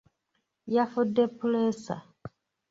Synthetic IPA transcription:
jafudːepulesa̰

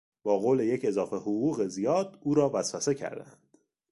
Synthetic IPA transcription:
b̥ɒːɣoːle̞je̞cʰe̞zɒːfe̞hoɣuːɣe̞zijɒːd̪̥uːɾɒːvæsvæse̞cʰæ̰ɾd̪æ̰nd̪̥

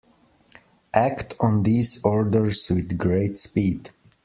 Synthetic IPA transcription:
ʔæktʰɔ̃n̩ðiːzɔɹdəɹzwɪðɡɹeɪtspid

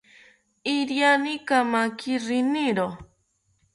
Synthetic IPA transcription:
iɾjanikamakiɾiniɾo

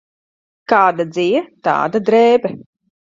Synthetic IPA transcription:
kaːd̪ad̪zijɛt̪a̰ːd̪ad̪ɾɛːbɛ

